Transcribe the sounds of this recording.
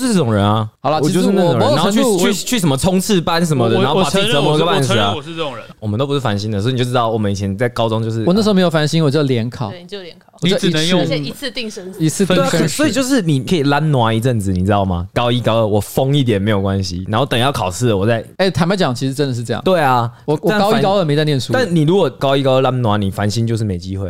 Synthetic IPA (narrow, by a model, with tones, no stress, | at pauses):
ʂɻ̩˥˧˩ʈ͡ʂə˥˩ʈ͡ʂʊ˨˩ŋɻə˧˦nɐ˦hɑ˨˩lʰi˧ʂjʊʂɻ̩˥˧n˥˩˨ŋ˨˧˨nnʰ˧˥˧t͡ɕʰy˥˩t͡ɕʰy˥˩ʂə˨˩mə˦˧t͡sʰʊ˥ŋt͡s̩ʰ˥˩pa˦nʂ̬ə˧˥nmə˧d̪ə˨˦˥ə˧˦mə˨˧i˧ɡə˧pa˥˩ns̩˨˩˦wɔ˨˩mə˦nt̪o˥ʊpu˧ʂɻ̩˥˩fa˧˥nɕi˥nd̪ə˨sɔ˧˥i˨˧˨t͡ɕo˥˩˧t̪ɑ˥˩ʊwɔ˨˩mə˦ni˨˩t͡ɕʰjɛ˧˦nt͡sa˥˩ɪkɑ˥ʊʈ͡ʂʊ˥ŋt͡ɕjo˥˧ʊʂɻ̩˥˩˨n˥˩ʂ̩˧˥˧m˧jo˩fa˧nɕi˥nwɔ˨˩t͡ɕjo˥˧˩d̪ə˧ljɛ˧˥nkʰɑ˨˩˦ʊ˧ɛ˧˨wɔ˨˩˥ə˨˦jʰt̪i˥˧ŋ˧i˧˥t͡s̩ʰ˥˧˩sɔ˧˥i˨˩t͡ɕjo˥˧ʊʂɻ̩˥˩ni˨˩kʰə˧˥i˨˩la˦˥nnwa˧˥i˧˥ʈ͡ʂə˥˩nt͡sɹ̩˨˩ni˨˩t͡sɻ̩˦˥ɑ˥˩ʊma̰˨˩kɑ˥ʊi˦˥kɑ˥ʊə˥˩wɔ˨˩fɔ˥ŋi˥˩t̪̬jɛ˨˩nme˧˥ɪjo˨˩ʊkwa˦nɕi˨na˧˥nxo˥˩ʊt̪ə˨˩ŋjɑ˥˩ʊkʰɑ˨˩ʊsʰɹ̩˥˩ə˨˩wɔ˨˩t͡sa˥˩ɪe˥˩ɪt̪ʰa˧˥ma˧˥t͡ɕjɑ˨˩ŋt͡ɕʰi˧˥ʂ̩˧˥ə˦˥nd̪ə˩ʂ̬̩˥˧ʈ͡ʂɤ˥˧jɑ̰˥˩˧we˥˩ɪa˨˩wɔ˨˩wɔ˨˥kɑ˥ʊ˥kɑ˥ʊə˥˩me˧˥ɪt͡sa˥˧njnsu˥t̪ni˨˩ɻu˧˦˥kwɔ˨˩kɑ˥ʊi˥kɑ˥ʊə˥˩la˦nnwa˧˥ni˨˩fa˧˦˥nɕi˦nt͡ɕjʊʂ̬̩˥˩me˨˩ɪt͡ɕi˧˦we˥˩ɪ